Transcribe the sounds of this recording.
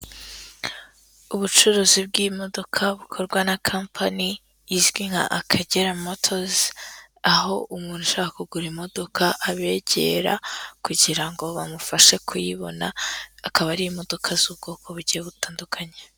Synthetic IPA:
uβut͡ʃuɾuzib̚ɡimo̞do̞kʰaβukʰo̞ɾɡwanakʰampʰani | jiʒɡwiŋha̰ʔakʰaɟeɾamotʰoz | aɦo̞ʔumuːn̥uʃakakuɡuɾimo̞do̞kʰaʔaβe̞ɟe̞̰ɾa̰kuɟiɾaŋɡo̞βamufaʃe̞kʰujiβo̞̰na̰akaβaɾijimo̞do̞kʰazuβɡo̞ːkʰo̞βuɟijeβutaːndukʰaɲe

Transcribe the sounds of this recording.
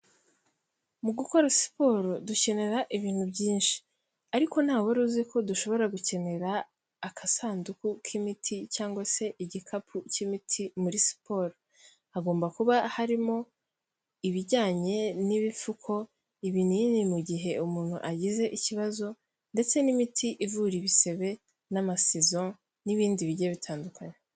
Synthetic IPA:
muɡuko̞ɾasi̥po̞ɾoduce̞ne̞ɾaʔiβiːn̥hubɟiːnʃi̥ | aɾiko̞n̥haːweɾuziko̞duʃo̞βo̞ɾaɡuce̞ne̞ɾaː | kʰasaːndukukʰimitʰicaːŋɡwase̞ʔiɟikʰapʰucimitʰimuɾisi̥po̞ɾo | aɡo̞ːmbakuβahaɾimo̞ | iβiɾɟaːɲe̞niβifukʰo̞ | iβininimuɟiɦe̞umuːn̥hṵʔaɟize̞ʔiciβazo̞ | nde̞t͡se̞nimitʰiʔivuɾiβise̞βe̞ | namasezo | niβiːndiβiɾɟeβitʰaːndukʰaɲe

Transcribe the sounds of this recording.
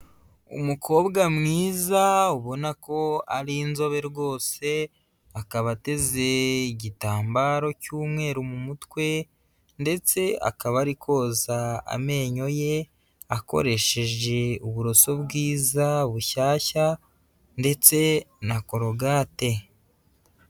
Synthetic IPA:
ṵmukʰo̞ːβɡamŋiːzauβo̞nako̞aɾinzo̞βe̞ɾɡo̞ːse̞ | akaβate̞ze̞iɟitaːmbaːɾo̞cuːmŋe̞ːɾumumutwe̞ | nde̞t͡se̞a̰kaβaɾikʰo̞ːzaa̰me̞ːɲo̞je̞ | ako̞̰ɾe̞ʃe̞ʒe̞uβuɾo̞so̞bɡiːzaβuʃaːça | nde̞t͡se̞nako̞ɾo̞ɡaːte̞

